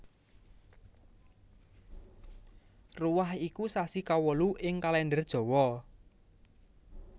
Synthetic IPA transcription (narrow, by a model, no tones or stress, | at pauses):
ruwahikusasikawəluʔɪŋkalɛndərd̥ʒ̥ɔ̤wɔ